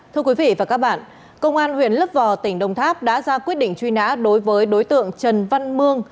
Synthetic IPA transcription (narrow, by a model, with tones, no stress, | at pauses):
t̪ʰɨ˧əkwi˨˦vḭ˧˨vaː˨˩kaː˦˥k̚ɓa̰ː˧˨n | kə˧wŋ͡mʔaː˧nhwḭ˧˨ənlə˦˥p̚vɔ˨˩t̪ï˧˩ŋ̟ɗə˧wŋ͡mt̪ʰaː˦˥p̚ɗa̰ː˧˥zaː˧kwi˦˥ət̚ɗḭ̈˧˨ŋt͡ɕwi˧na̰ː˧˥ɗo˨˦jvəː˨˦jɗo˨˦jt̪ɨ̰˧˨əŋt͡ɕə˨˩nva˧nmɨ˧əŋ